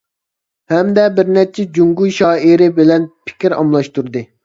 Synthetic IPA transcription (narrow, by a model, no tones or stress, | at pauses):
hɛmd̪ɛbɪɾnɛt͡ʃʰɛd͡ʒuŋɡujʃɑːiɾɪbɪlɛnpʰɪ̥kʲiɾɑ̰mlˠɑʃt̪uɾd̪ɨ